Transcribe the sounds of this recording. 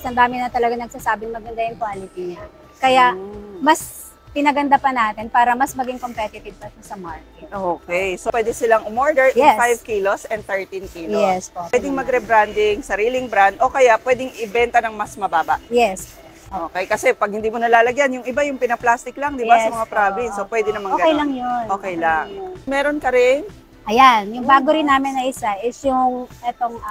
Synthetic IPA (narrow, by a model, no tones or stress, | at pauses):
sɐnd̪aːmɪnɐt̪ɐlɐɡaŋnɐɡ̚saːsaːbɪnmɐɡɐnd̪ajʊŋkwaːlɪt̪iɲa | kɐjamɐs | pɪnɐɡɐnd̪ɐpɐnaːt̪ɪnpaːɾɐmɐsmɐɡɪŋkompɛt̪ɪt̪ɪb̚pɐt̪ʊsɐmaɹkɛʔokɛjsopwɛːd̪ɛsɪlaŋʊmoɹd̪ɛɹfajvkilosʔɛnd̪̚t̪ɛɹt̪inkiːljoɛspowɛd̪ɪŋmɐɡɾɛbɾand̪ɪŋsɐɾiːlɪŋbɾand̪ʔokɐjapwɛːd̪ɪŋɪbɛnt̪ɐnɐŋmɐsmɐbaːbɐ̰jɛs | ʔoːkɛjkɐsɛpɐɡ̚hɪnd̪iːmonɐlaːlɐɡjanjʊŋʔɪbajʊŋpɪnɐplast̪ɪklaŋd̪ɪbasɐmɐŋapɾablɪmsopwɛːd̪ɪnɐmɐŋɡɐkɛjlɐŋjonʔoːkɛjlaŋmɛːɾo̞nkɐɾɪn | ʔɐjanjʊŋbaːɡoɾɪnːaːmɪnɐʔɪsaʔɪsjʊŋʔɛt̪oŋ